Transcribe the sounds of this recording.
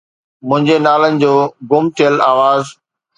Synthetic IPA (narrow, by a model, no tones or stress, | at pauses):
mʊ̃ɦɪ̃ɲd͡ʑenaːlənɪ̆d͡ʑoːɡʊmt̪ʰijəlaːʋaːz